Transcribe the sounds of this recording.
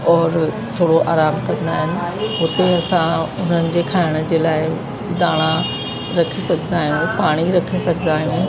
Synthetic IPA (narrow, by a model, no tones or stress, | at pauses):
ɔːɾ | t̪ʰoːɽoʔaːɾaːmkɐ̃nd̪aːɦɪnɪ̆ʊt̪eɐsãʊn̤ənɪ̆d͡ʑeːkʰaːɪɽ̃ə̆d͡ʑeːlaːɪ | d̪aːɽ̃ã | ɾɐkʰesɐɡʱənd̪aːɦijũpaːɽ̃iɾɐkʰesɐɡʱə̃nd̪aːɦijũ